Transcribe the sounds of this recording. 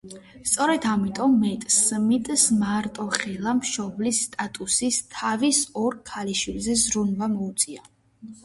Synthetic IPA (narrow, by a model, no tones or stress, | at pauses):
st̪sʼɔɾɛd̪ʰamit̪ʼɔmːɛt̪ʼsmit̪ʼsmaɾt̪ʼɔχɛlˠamʃɔblisːt̪ʼat̪ʼusist̪ʰavisɔɾkʰaliʃwilzɛzɾunvamɔut̪sʼia